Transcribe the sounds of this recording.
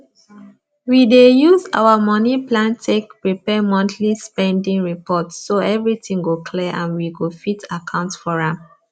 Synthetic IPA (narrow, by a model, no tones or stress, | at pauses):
widejuza̰wəmɔniplãntʰekpɹipɛmɔ̃ntʰlispɛ̃ndĩŋɹipɔtsːoɛvɹitĩŋɡokʰlɛʔãnwiɡofitakʰãʊ̃ntfɔɹãm